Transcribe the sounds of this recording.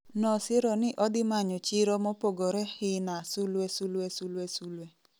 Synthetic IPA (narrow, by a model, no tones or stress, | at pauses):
nɔsɪɾɔnɪʔɔdɪmaɲɔt͡ʃɪɾɔmɔpoɡoɾɛhɪnasulwɛsulwɛsulwɛsulwɛ